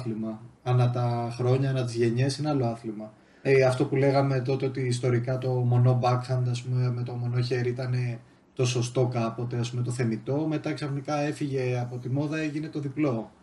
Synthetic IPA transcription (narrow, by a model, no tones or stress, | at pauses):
θlimɐɐnɐt̪ɐxɾo̞ɲɐɐnɐt̪̬izʝe̞ɲe̞sineɐlo̞ɐθlimɐ | ɐft̪o̞pule̞ɣɐme̞t̪o̞t̪e̞o̞t̪iːst̪o̞ɾikɐt̪o̞mo̞no̞bɐkxɐnd̪ɐspumemet̪o̞mo̞no̞çe̞ɾiit̪ɐne̞ | t̪o̞so̞st̪o̞kɐpo̞t̪e̞ɐspume̞t̪o̞θe̞mit̪o̞me̞t̪ɐksɐfnikɐe̞fiʝe̞ɐpo̞t̪imo̞ðɐe̞ʝine̞t̪o̞ðiplo̞